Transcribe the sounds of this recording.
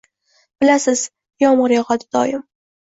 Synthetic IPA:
b̥ɪlasɪz̥ | jɒmʊɾjɑʁɒd̪ɪd̪̥ɒjɪm

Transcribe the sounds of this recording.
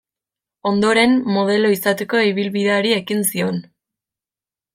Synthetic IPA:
o̞nd̪o̞ɾe̞mːo̞ð̞e̞lo̞isat̪eko̞iβ̞ilβiðe̞aɾie̞kinsio̞n

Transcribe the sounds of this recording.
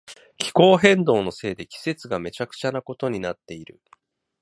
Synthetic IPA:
kʲʰi̥ko̞ːɦẽ̞nd̪o̞ːno̞se̞ːd̪e̞kʲi̥se̞t͡sɨɡame̞t͡ɕakɯ̟̥t͡ɕanako̞t̪o̞ɲ̟inat̪ːe̞iɾɯ̟̰

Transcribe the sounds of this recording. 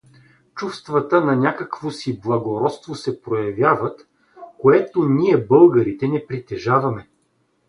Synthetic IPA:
t͡ʃufst̪vɐt̪ənɐnʲakəkvosiblˠɐɡoɾɔt̪st̪vosɛpɾojɐvʲjavət̪ | koɛt̪oniɛbɤlˠɡəɾit̪ɛnɛpɾit̪ɛʒavɐmɛ

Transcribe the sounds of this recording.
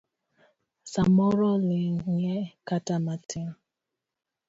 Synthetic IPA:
samɔɾɔlɪɲekatamatʰɪ

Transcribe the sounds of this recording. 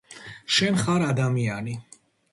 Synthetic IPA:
ʃɛnχaɾad̪amiani

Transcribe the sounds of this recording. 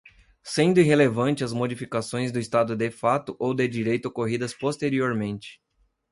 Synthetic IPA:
sẽnd̪ʊiɦelevɐ̃nt͡ʃɪɐzmod͡ʒifikasõj̃zd̪ʊist̪ad̪ʊd̪efat̪ʊʔowd̪ed͡ʒiɾejt̪ʊokoɦid̪ɐspost̪eɾioɾmẽnt͡ʃɪ̥

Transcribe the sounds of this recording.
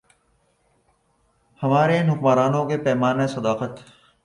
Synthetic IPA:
hɐmaːɾenʊkmaːɾaːnõkepɛːmaːnesɐd̪aːqət̪

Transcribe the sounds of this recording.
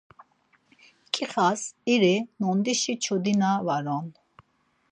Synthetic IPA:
kʼiχasiɾinɔnd̪iʃit͡ʃʰɔd̪inavaɾɔn

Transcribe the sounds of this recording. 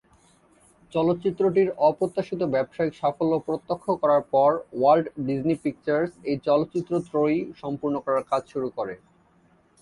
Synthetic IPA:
t͡ɕɔlot̪ːt͡ɕit̪ːɾoʈiɾɔpɾot̪ːaʃit̪obɛbʃaikʃafolːopɾot̪ːokʰːokɔɾaɾpɔɾwalɖɖid͡ʑnipik̚t͡ɕaɾsejt͡ɕɔlot̪ːt͡ɕit̪ːɾot̪ɾoijʃɔmpuɾnokɔɾaɾkad͡ʑʱʃuɾukoɾe

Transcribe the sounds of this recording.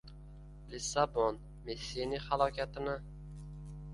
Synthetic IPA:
lɪsabon | messinihalˠɒkʲʰat̪ʰɪnɪ

